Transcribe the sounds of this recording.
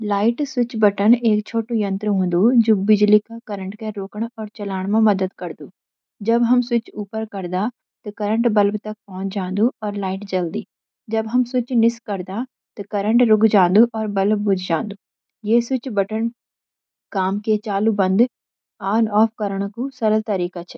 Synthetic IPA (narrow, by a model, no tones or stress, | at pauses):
laːɪʈsɪt͡ʃbɐʈəneːkt͡ʃʰoːʈũjɐ̃nt̪ɾəɦõːnd̪ud͡ʒoːbɪd͡ʒlikakɐɾə̃ɳʈkeɾoːkəɳ̃ɔːɾt͡ʃɐlaːɽ̃mẽmɐd̪əd̪kɐɾd̪uː | d͡ʒɐbɦɐmsʊt͡ʃuːpəɾkɐɾd̪a | t̪ɐkɐɾə̃ɳʈbɐlbt̪ɐk̚pɔ̃ːnd͡ʒãːnd̪uɔːɾlaːɪʈd͡ʒɐld̪iː | d͡ʒɐbɦɐmsʊt͡ʃnɪskɐɾd̪a | t̪ɔkɐɾə̃ɳʈɾʊɡd͡ʒãːnd̪uʔɔːɾbɐlbbʊd͡ʒʱd͡ʒãːnd̪u | jeːsɪt͡ʃbɐʈən | kaːmket͡ʃaːlubɐ̃nd̪ | aːnɔːfʰkɐɾəɳ̃kusɐɾəlt̪ɐɾiːkat͡ʃʰɛ